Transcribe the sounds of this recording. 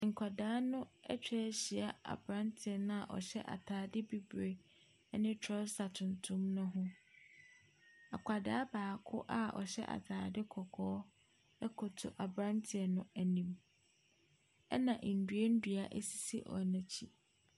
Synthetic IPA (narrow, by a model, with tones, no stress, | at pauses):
ŋ̩˨kʷʰa˨daː˦nʊ̃˦ɛ˦t͡ɕᶣɛ˦˨˦ɕi˨a˨a̰˨bɾã˦ntʰɪ˨ɛ˨nʊ̃˦a˨ʔɔ̰˨ɕɛ̰˦ʔa̰˨tʰaː˨˦dɪ˦bi˦bɾe˨˦ | nɪ̃˦tʰɔ˦sa˨tʰʊ̃˨ntʰʊ̃˦mnʊ̃˦ɦʊ̃˦ | a̰˨kʷʰa˨daː˦baː˨kʰʊ̰˦ʔa˦ɔ̰˨ɕɛ̰˦ʔa̰˨tʰaː˨dɪ˦kʰɔ˨kʰɔː˦ | ɛ˦kʰɔ˨tʰʊ˨ʔa˨bɾã˦ntʰɪ˨ɛ˨nʊ̃˦æ˨nĩ˨m | ɛ̰˦nã˨ʔn̩˨dɥe˦n̩˦dɥa˨ʔɛ̰˦si̥˦˨si˦ʔɔ̰˨nã˨t͡ɕʰi˦